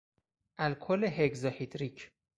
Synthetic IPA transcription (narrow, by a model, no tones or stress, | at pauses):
ʔælkʰoleɦeɡzɒhid̪ɾicʰ